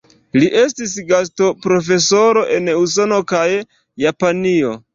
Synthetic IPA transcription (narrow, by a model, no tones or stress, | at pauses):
liʔe̞stisɡas̬to̞pɾo̞f̬e̞so̞ɾo̞ʔe̞nuso̞no̞kajː | apanio̞